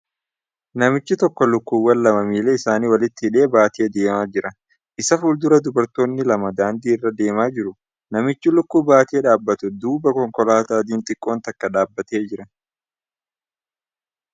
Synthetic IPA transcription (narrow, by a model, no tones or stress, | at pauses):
nɐmɪt͡ʃːɪt̪ɔkːɔlʊkːuːwːɐlːɐmɐmiːleːɪsaːniːwɐlɪt̪ːɪɪᶑe̞ːbaːt̪ɪed̪e̞ːmaːd͡ʒɪɾɐ | ʔɪsɐfuːld̪ʊɾɐd̪ʊbɐɾt̪o̞ːnːɪlɐmɐd̪aːnd̪iːɪrːɐd̪e̞ːmaːd͡ʒɪɾʊ | nɐmɪt͡ʃːɪlʊkːuːbaːt̪iːᶑaːbːɐt̪ʊd̪uːbɐkɔŋkɔlaːt̪aːd̪̬iːnt̪ʼɪkʼːo̞ːnt̪ɐkːɐᶑaːbːɐt̪e̞ːd͡ʒɪɾɐ